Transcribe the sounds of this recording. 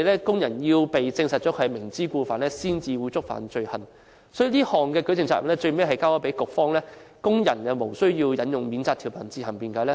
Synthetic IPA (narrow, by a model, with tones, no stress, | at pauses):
jlɛː˥kʊ˥ŋjɐ˨˩njiː˧wpe˨jt͡sɪ˧ŋsɐ˨t̚t͡ʃɔː˨˥kʰɛ˨˧mɪ˨˩ŋt͡siː˥kuː˧faː˨˩nlɛː˥siː˥nt͡siː˧wuː˨˧˥t͡sʊ˥k̚fa̰ː˨˩nt͡ʃɵ˧ɥhɐ˨n | sɔː˨˥ji˧liː˥hɔː˨ŋkɛː˧kɵ˨˥tt͡sɪ˨ŋt͡saː˧˨ʔnlɛː˥t͡ʃɵ˧ɥme˥jɦɐ˨jkaː˥wɔː˨˥pe˨˥jkʊ˨k̚fɔː˥ŋlɛː˥kʊ˥ŋjɐ˨˩nɐ˨mo˨˩wsɵ˥ɥjiː˧wjɐ˨˥njʊ˨ŋmiː˨˥nt͡saː˧kt̪ʰi˨˩wpʰɐ˨˩nt͡siː˧hɐ˨˩mpiː˨˩nkaː˨˧˥lɛː˥